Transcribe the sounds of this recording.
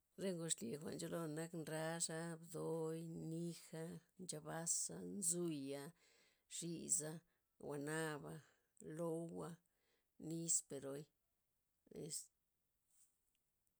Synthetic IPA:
ɾe˦ŋɡo˧ʂli˨xʷa̰˨ʔnd͡ʒo˦lo˧na˦knɾa˦ʐa˦bd̪o˧jni˦xa˧nd͡ʒa˧ba˦sa̰˧nzu˦ja˧ | ʐ̥i˧za˧ | wa˨na˦ba˧ | lo˦wa˧ | ni˦spe˨ɾo˧j | ḛ˨˧s

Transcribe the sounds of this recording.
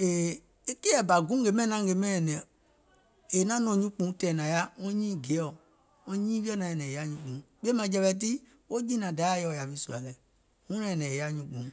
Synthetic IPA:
e˨ | e˦ke˦ɛ˨ba˨ɡũ˦ɡe˨mɛ̃˦˨nã˦ŋ˦ɡe˨mɛ̃˦ɛ˨nɛ̃˨ | e˨nã˦nɔ̃˧˨ɲũ˦k͡pũ˨˦tɛ˨nã˨ja˦ŋɔ̃˦ɲĩː˦˨ɡe˨˦ɔ˦˨ | ŋɔ̃˦ɲĩ˦vi˦ɛ˦nã˨ɛ̃˨nɛ̃˨e˨ja˦ɲũ˧˦k͡pũ˨˦k͡pe˦mã˧˨˦d͡ʒɛ˨˧βɛ˨˦t̬i˦ | wo˦d͡ʒĩ˦nã˨da˨˦jɔ˨ja˨vi˦su˨a˨lɛ˨ | ŋũ˦nã˦ɛ˨nɛ̃˨e˨ja˦ɲũ˨˦k͡pũ˨˦

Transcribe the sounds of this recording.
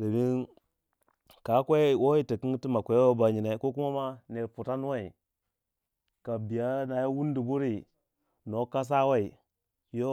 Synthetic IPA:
de˨mi˦n | ka˨˦kʷe˦wo˦i˦ta˨ki˦ti˦ma˨kʷe˨jwo˦ba˨ɲi˨na˦ko˦ku˦ma˦ma˦ne˨ɾpu˨ta˦n˦wa˦i˨ | ka˨bi˨ja˦na˨ja˦wu˦n˦di˨bu˦ɾi˦ | no˨ka˦s̬a˦wa˦i˨ | jo˦

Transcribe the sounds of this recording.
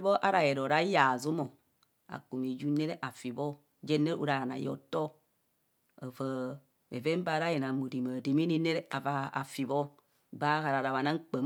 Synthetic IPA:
bɔ˦ʔa̰˦ɾa˨jɛ˨ɾo˨ɾa˦ja˨zu˦mo˨ | a̰˨ku˨mi˨d͡ʒu˦ne˦ɾe˦ʔa˨fi˨bɔ˦ | d͡ʒɛ˦ne˦ṵ˦ɾa˨a˨na̰˨jɔ̰˨tɔ˦ | a˨və˨ | ḛ˨ve˦m˦ba˨˦ɾa˦je˨na˨mu˨ɾi˨ma˨di˨mi˦ni˦ne˦ɾɛ˦a˨va˨a̰˨fi˨βɔ˦ | ba˦ɣa˨ɾa˨ɾa˨βa˨na˦ŋ̩˦k͡pə˨m

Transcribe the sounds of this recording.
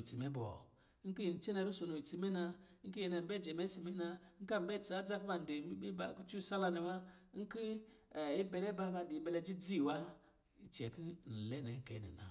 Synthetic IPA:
ti˨me˦bɔ̰˨˦ | ŋ̩˦ki˦ji˨n̩˨t͡ʃe˦na˨ɾu˦so˨no˨i˨ti˨me˦na˧˦ŋ̩˦ki˦jɛ˨na˨m̩˨bɛ˦˨d͡ʒɛ˨mɛ˦si˨me˦na˨˦ŋ̩˦ka˦m˨bɛ˦˨t͡ʃa˨˦d͡za˦ku˦ba˨n̩˨di˨˦i˦bi˦ba˨ku˦t͡ʃu˦˨sa˦la˦ni˨ma˦ŋ̩˦ki˦˨i˦bɛ˨lɛ˦ba˦ba˨n˨di˨i˨bɛ˨lɛ˦d͡ʒi˦d͡zi˦˨wa˦ | i˨t͡ʃɛ˨ki˦˨n̩˨lɛ˦nɛ˨ŋ̩˦kɛ̰˨nḭ˨na̰˨

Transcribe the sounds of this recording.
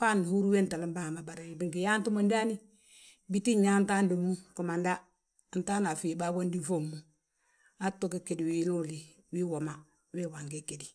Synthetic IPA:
pa˦n˨hu˦ɾu˦we˦nta˨li˦mba˦˨ma˨ba˨ɾa˨i˨bi˦ŋki˨ja˦ntu˦mo˨nda˦ni˦ | bi˦ti˦ɲːa˦n˦ta˦ndo˨mu˦ku˨ma˨nda˦˨ | nta˦na˨fi˨ba˦wo˦ndi˦fo˦mːu˨ | a˦to˦ke˦ke˨di˨wi˦nu˦li˨ | wi˦wo˨ma˦ | we˦wa˨ŋɡe˦ke˨di˨

